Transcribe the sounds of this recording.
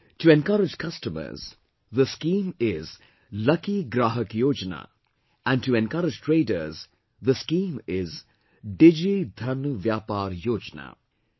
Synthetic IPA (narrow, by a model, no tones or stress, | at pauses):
tuɛ̃nkɐɾɪd͡ʒkɐsʈəmə̰z̥ | ðəskĩːmɪz | lʌkiɡɾaːɦəkjoːd͡ʒna̰ː | æ̃nɖtuɛ̃nkʌɾɪd͡ʒʈɾeːɖəɾz | d̪əskĩːmɪz | ɖɪd͡ʒid̪ʱɐnʋjaːpaːɾjoːd͡ʒna̰ː